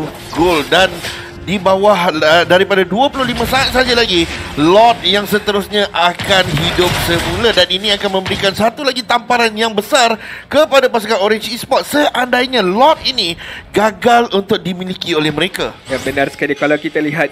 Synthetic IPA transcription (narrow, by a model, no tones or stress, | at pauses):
ɡoldan | dibawahədaɾipadaduapulʊhlimãsaat̪̚sad͡ʒalaɡilɔt̪̚jaŋsət̪əɾʊsɲãʔakanɦidʊp̚səmuladaninĩakanmə̃mbəɾikansat̪ulaɡit̪ampaɾanjaŋbəsarkəpadapas̬ukanoɾɪnt͡ʃispɔt̪̚səʔandaiɲãlɔt̪̚iniɡaɡalunt̪ʊk̚dimilikiolɛhmə̃ɾekajabənarsə̥kalikalawkit̪aliɦat̪̚